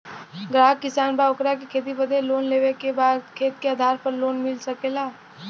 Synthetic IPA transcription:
ɡɾaːkɪsaːnbaːʊkɾakekʰeːt̪̬ibəd̪ʱeloːnleːʋekebaːd̪kʰeːt̪̚keaːd̪ʱaːɾpɐɾloːnmɪlsɐkeːlaː

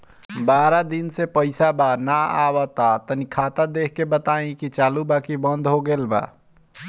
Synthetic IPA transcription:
baɾad̪insepəɪsabanaa̰wət̪at̪ənikʰat̪ad̪ekʰkebət̪aĩkit͡ʃalubakibənd̪ʱɦoɡelba̰

